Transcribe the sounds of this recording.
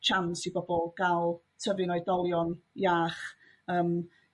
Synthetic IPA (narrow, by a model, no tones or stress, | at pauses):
t͡ʃʰansibɔbɔlˠɡ̥alˠtʰəvɨnɔɨdɔlˠjɔnjaːχ | əːm